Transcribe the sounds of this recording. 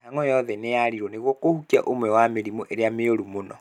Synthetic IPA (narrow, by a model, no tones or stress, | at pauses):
naŋɔjɔðɛnejaɾiɾwɔneɣwɔkohukiaʔomwɛwameɾimɔʔeɾeameoɾumonɔ